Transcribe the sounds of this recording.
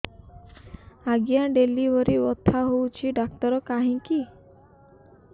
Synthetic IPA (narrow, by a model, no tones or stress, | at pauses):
aɡjaɖelibɔɾibɔt̪ʰaɦowt͡ʃʰiɖak̚t̪ɔɾɔkaɦĩki